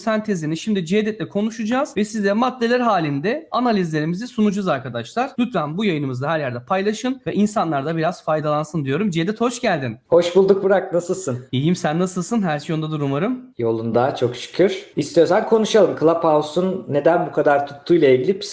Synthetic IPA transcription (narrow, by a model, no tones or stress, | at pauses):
sænt̪ʰeziniʃimd̪id͡ʒed̪ɛt̪lʲɛkʰo̞nuʃud͡ʒaːz̥vɛsizd̪ɛmad̪ːe̞lʲæɾɦaːlʲind̪ɛanalʲizlʲe̞ɾimizɛsunud͡ʒazaɾkad̪aʃlˠaɾ̥lʲyt̪fvænbujajɯnɯmɯzaɦæɾjæɾd̪ɛpʰajlˠaʃɯnvɛʔinsanlˠaɾd̪abiɾaz̥fajd̪alˠansɯnd̪ijo̞ɾumd͡ʒed̪ɛt̪ho̞ʃɟælʲd̪inho̞ʃbulˠd̪uk̚bɯɾak̚nasɯlˠsɯnijimsænːasɯlˠsɯnɦæɾʃjond̪ad̪uɾumaɾɯmjo̞lˠund̪aːt͡ʃʰo̞kʃɯ̥kʰɯɾ̥ist̪ijosænkʰo̞nuʃalˠɯmkʰɯlˠapʰausunːe̞d̪ænbukʰad̪aɾt̪ʰu̥t̪ʰːujlˠaiɟilʲipʰi̥s